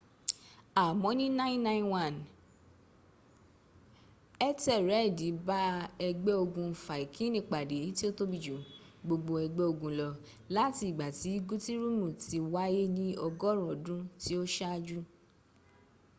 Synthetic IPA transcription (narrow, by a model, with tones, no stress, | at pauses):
a˨mɔ̃˨˦nĩ˦nã˦ĩ˦nã˦ĩ˦nwã˦˨n | ɛ˦tɛ˦˨ɾɛ˨˦˨di˨˦ba˦ɛ˧ɡ͡be˦o˧ɡũ˧˨fa˨i˨kʰĩ˦nĩ˦˨k͡pa˨de˨˦ti˦o˦to˦bi˨d͡ʒũ˨ | ɡ͡bo˧ɡ͡bo˧ɛ˧ɡ͡be˦o˧ɡũ˧lɔ˧ | la˦˨ti˧˦˨ɡ͡ba˨ti˨˦ɡu˦ti˦ɾu˦mũ˦˨ti˧wa˦je˦nĩ˦ɔ˧ɡɔ˦ɾ̃ɔ̃˨dũ˦ti˦o˦ʃa˦˧d͡ʒu˦